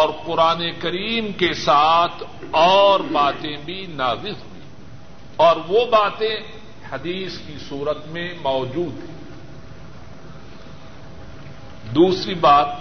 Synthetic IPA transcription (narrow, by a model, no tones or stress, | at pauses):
ɔːɾqʊɾaːnekɐɾiːmkesaːt̪ʰ | ɔːɾbaːt̪ẽbʱinaːzɪzɦʊiː | ɔːɾʋobaːt̪ẽ | hɐd̪iːskisuːɾət̪mẽmɔːd͡ʒuːd̪ɦɛ̃ː | d̪uːsɾibaːt̪̚